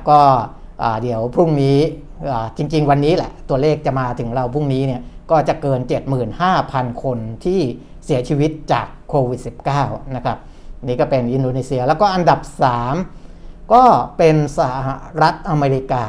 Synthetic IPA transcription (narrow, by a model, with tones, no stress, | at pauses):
kɔː˥˩ | ʔaː˨˩di˩˦əwpʰu˥˩ŋniː˦˥ | ʔaː˨˩t͡ɕi˧ŋt͡ɕi˧ŋwa˧nːiː˦˥lɛ̰˧˩t̪u˧ɐleː˥˩k̚t͡ɕa˨˩maː˧t̪ʰɯ˩˦ŋɾa˧wpʰu˥˩ŋniː˦˥ni˥˩ɐkɔː˥˩t͡ɕa˨˩kɤː˧nt͡ɕe˨˩t̪̚mɯː˨˩nhaː˥˩pʰa˧nkʰo˧nt̪ʰiː˥˩ | si˩˦ɐt͡ɕʰiː˧wi˦˥t̪̚t͡ɕa̰ː˨˩kʰːoː˧wi˨˩t̪̚si˨˩p̚kaː˥˩wna˦˥kʰɾa˦˥p̚ | niː˦˥kɔː˥˩pe˧nʔi˧ndoː˧niː˧si˧ɐlɛː˦˥wkɔː˥˩ʔa˧nda˨˩p̚saː˩˦mkɔː˥˩pe˧nsa˧haha˧˩ɾa˦˥t̪̚ʔa˧meː˧ɾi˦˥kaː˧